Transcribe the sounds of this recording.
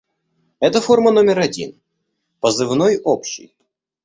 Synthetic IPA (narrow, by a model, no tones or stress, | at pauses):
ɛt̪əfo̞rmɐnomʲɪɾɐdʲḭn | pəzɨvnojopɕɪ̰j